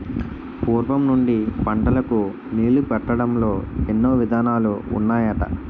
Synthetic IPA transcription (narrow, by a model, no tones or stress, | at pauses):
puːɾʋɐmnuɳɖipɐɳɖɐlɐku | niːlupɛʈːɐɽɐmlo̞ːenːoːʋid̪ʱaːnaːlṵːnːaːjɐʈɐ̰